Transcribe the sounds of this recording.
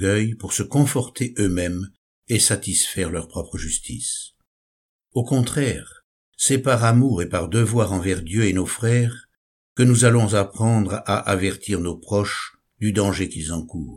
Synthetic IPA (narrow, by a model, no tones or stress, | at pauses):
ɡœjpuʁsəkɔ̃fɔʁt̪ʰeʔømɛm | esat̪isfɛʁlœʁpχɔpχəʒyst̪ʰḭs | okɔ̃t̪χɛːʁ | sɛpaʁamuʁepaʁd̪əvwaʁɑ̃vɛʁd̪jøenofχɛːʁ | kənuzalɔ̃zapχɑ̃d̪ʁʔa̰ʔavɛʁt̪ʰiʁnopχɔʃ | d̪yd̪ɑ̃ʒekilzɑ̃kuːʁ